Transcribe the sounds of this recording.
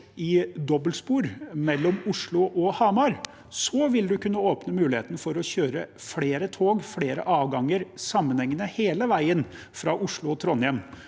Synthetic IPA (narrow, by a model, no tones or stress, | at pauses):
ɪd̪ɔbəlt̪spuːɾmɛlːɔmʊʂɭʊʔɔhɑmɑɾ | sɔʋɪld̪ʉkʉnːəoːpnəmʉːlɪheːt̪ənəfɔɾɔçøːɾəfɽeːɾət̪ʰoːɡfɽeːɾə̰ʔɑːʋɡɑŋːəɾsɑmːənhɛŋːənəheːləʋæɪən | fɾɑːʔʊʂɭʊɔt̪ʰɾɔnjɛm